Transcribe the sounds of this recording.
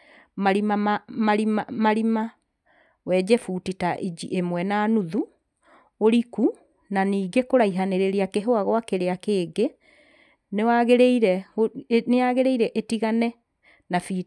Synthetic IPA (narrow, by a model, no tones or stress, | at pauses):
maɾimamamaɾimamaɾima | wɛd͡ʑɛfutitaʔid͡ʑḭʔemwɛnaːnuðu | oɾiku | naniːɡekoɾaiɦaneɾeɾeakeɦoaɣwakeɾeakeːɡe | newaɣeɾeiɾɛ | neaɣeɾeiɾɛʔetiɣanɛ | nafi